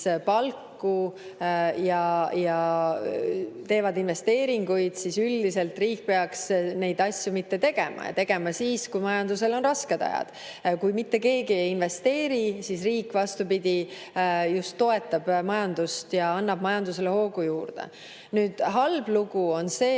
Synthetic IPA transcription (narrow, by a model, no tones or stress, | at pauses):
pɑlkːu | jɑjɑ | t̪e̞ːvɑd̪inve̞st̪e̞ːɾiŋɡ̥ujd̪̥sisyld̪ise̞lt̪riːk̚ːpe̞ɑksne̞jd̪̥ɑsʲjumit̪ːe̞t̪e̞ɡ̥e̞mʔɑ̰jɑ̰t̪e̞ɡ̥e̞mɑsiːskujmɑjɑnd̪use̞lo̞nrɑsked̪̥ɑ̰jɑ̰d̪̥ | kujmit̪ːe̞ke̞ːɡiejinve̞st̪e̞ːɾisisriːkːvɑst̪upid̪̥ʲi | just̪ːo̞e̞t̪ːˑɑb̥mɑjɑnd̪ust̪jɑɑnːɑb̥̚mɑjɑnd̪use̞le̞ho̞ːɡujuːrd̪̥ḛ | nyːd̪̥ɦɑlbluɡ̥uo̞nse̞ː